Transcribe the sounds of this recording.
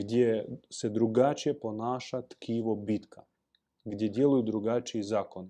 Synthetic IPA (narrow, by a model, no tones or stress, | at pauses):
ɡd̪ʲjesed̪ɾuɡat͡ʃije̞po̞naːʃat̪kʰiːʋobit̪kʰa | ɡd̪ʲjed̪jelujud̪ɾuɡat͡ʃiizaːkon